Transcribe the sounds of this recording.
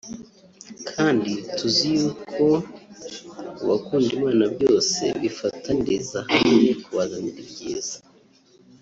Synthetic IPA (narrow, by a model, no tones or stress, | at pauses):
kʰaːndituzijukʰo | uβakuːndimaːnabjo̞ːse̞̰βifatʰandezahamɲekuβazaɲiɾbɟeːzḁ